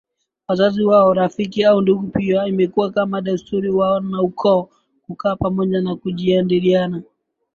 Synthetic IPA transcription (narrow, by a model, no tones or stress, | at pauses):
wazaziwaɔɾafikiaunduɠupiaimɛkuwakamaɗastʰuɾiwaɔnaukʰɔː | kukaːpamɔʄanakuʄiandiɾiana